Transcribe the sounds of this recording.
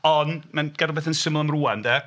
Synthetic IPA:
ɔnmɛnɡ̥adlˠbeːθənsɪməlˠəmruːandɛː

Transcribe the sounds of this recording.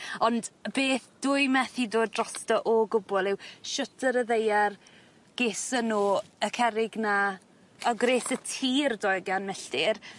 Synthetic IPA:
ɔndbeːθd̥ʊɨmɛθidoːdrɔstɔʔɔɡʊbɔlˠɪwʃʊtʰəɾəðejar | ɡ̥eːsənuːəkʰɛɾɪɡna | əɡɾeːsətʰiːrdɔjɡanmɛɬtɪr

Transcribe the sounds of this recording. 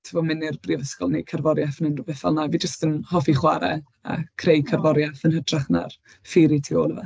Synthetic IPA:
tʰəvɔmɪnɪrbrivəskɔlˠnḛkʰarvɔɾjaθənɪnrʊvɛθa̰lˠnaviːd͡ʒəstənhɔfiχwaɾɛ | a̰kʰrejkʰarvɔɾjaθənhədraχna̰r | fiɾitʰioːlˠəva̰

